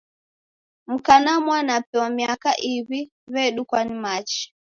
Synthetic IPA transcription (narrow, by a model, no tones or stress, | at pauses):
m̩kanamwanapɛwamiakaʔiβi | βɛɗukwanimat͡ʃi̥